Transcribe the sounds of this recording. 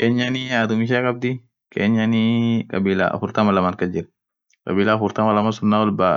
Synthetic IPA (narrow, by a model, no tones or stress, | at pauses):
keːɲːaniaːt̪ʊmɪʃ̬aːkʼɐb̚d̪ɪ | kʰḛːɲːanikʼɐbiːla̰ɐ̰fʊɾt̪ɐmɐlɐmaːnkɐd͡ʒɪɾɐ | kʼɐ̰biːlaːfʊɾt̪ɐmɐlɐmasʊnːaːwɐlba